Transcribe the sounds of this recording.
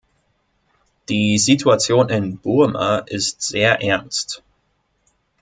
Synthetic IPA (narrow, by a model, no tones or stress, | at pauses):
d̥iːzitʰuat͡sjoːnɪnb̥uɐma̰ʔɪstz̥eːɐʔɛɐnst